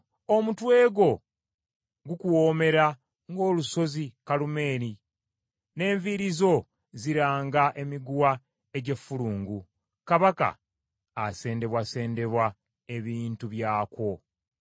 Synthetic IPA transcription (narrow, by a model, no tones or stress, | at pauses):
o̞mutwe̞ːɡo̞ | ɡukuwo̞ːme̞ɾa | ŋɡo̞ːluso̞zikalume̞ːɾi | ne̞ːɱviɾizo̞ | ziɾaːŋɡaʔe̞miɡuwa | e̞ɟe̞fuluːŋɡu | kaβaka̰ː | se̞ːnde̞βwase̞ːnde̞βwa | e̞βiːntuβjaːkwo̞